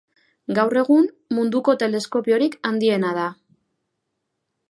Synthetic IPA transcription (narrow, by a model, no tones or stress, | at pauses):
ɡawre̞ɣ̞um | mund̪uko̞t̪e̞le̞sko̞pio̞ɾikand̪ie̞nað̞a